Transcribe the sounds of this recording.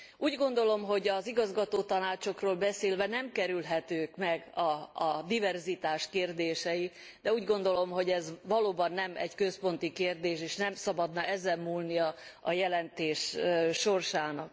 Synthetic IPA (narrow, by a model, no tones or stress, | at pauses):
uːɟɡo̞nd̪o̞lo̞mɦo̞ɟɒziɡɒzɡɒt̪oːt̪ɒnaːt͡ʃo̞kroːlbɛseːlvɛnɛmkɛɾylɦɛt̪øːkmɛɡɒːd̪ivɛrzit̪aːʃkeːrd̪eːʃɛji | d̪̥ɛuːɟɡo̞nd̪o̞lo̞mɦo̞ɟɛzʋɒloːbɒnːɛmɛ̰ckø̞spo̞nt̪ikeːrd̪eːʃeːʃnɛmsɒbɒd̪nɒʔɛzɛmmuːlniɒɒjɛlɛnt̪eːʃʃo̞rʃaːnɒk̚